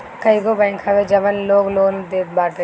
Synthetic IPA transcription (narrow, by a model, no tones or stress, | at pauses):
kəiɡobãːɪŋkʰaʋed͡ʒɐʋənloːɡloːnd̪eːbaːʈe